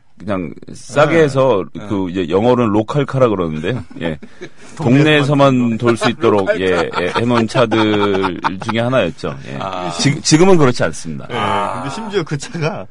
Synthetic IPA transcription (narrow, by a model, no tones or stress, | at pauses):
kɯɲaŋ | s͈aɡeɦːs̬ʰʌkɯiejʌŋʌɾɯnɭokʰaɭkʰaɾaɡɯɾʌnɯnde̞joje̞̰ | ttoŋne̞ːs̬ʰʌmantoɭs͈uit̚t͈oɾoɡ̚ije̞henont͡ɕʰadɯɾt͡ɕuŋe̞ɦanajʌt̚t͡ɕ͈o̰jḛt͡ɕit͡ɕiɡɯmɯnkɯɾʌt͡ɕʰians͈ɯmɲida̰kɯndeɕimd͡ʑuokɯt͡ɕʰaɡa